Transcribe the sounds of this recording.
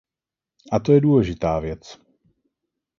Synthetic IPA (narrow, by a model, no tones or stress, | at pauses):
ʔat̪ojɛduːlɛʒɪt̪aːvjɛt͡s